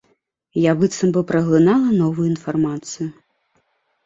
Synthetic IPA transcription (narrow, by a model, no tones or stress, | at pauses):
jabɨt̪sɐmbɨpɾɐɣlˠɨnalˠɐnɔvujuinfarmat̪sɨju